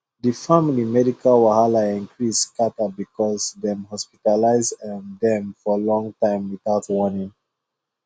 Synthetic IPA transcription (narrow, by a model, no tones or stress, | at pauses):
ðifamilimɛdikʰalwahalaĩŋkʰɹiskatabikʰɔzðɛ̃mɦɔspi̥talaɪzãndɛ̃mfɔlɔ̃ŋtãɪ̃mwiθaʊtwɔnĩŋ